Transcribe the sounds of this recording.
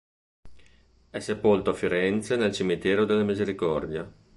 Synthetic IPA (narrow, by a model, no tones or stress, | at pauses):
ɛsepolt̪oafiɾɛnt̪senelt͡ʃimit̪ɛːɾod̪elːamizeɾikɔrd̪ja